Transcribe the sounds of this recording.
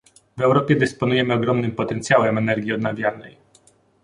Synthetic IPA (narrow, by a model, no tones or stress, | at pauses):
vɛwɾɔpʲjɛd̪ɘspɔnujɛmɘɔɡɾɔmnɘmpɔt̪ɛnt̪sjawɛmɛnɛɾɡʲiɔd̪navʲjanɛ̰j